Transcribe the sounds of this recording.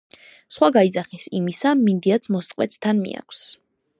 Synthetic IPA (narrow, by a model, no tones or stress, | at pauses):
sχwaɡaid̪zaχisimisamind̪iat̪sʰmɔst̪ʼqʼwɛt̪sʰt̪ʰanmḭa̰kʷʰs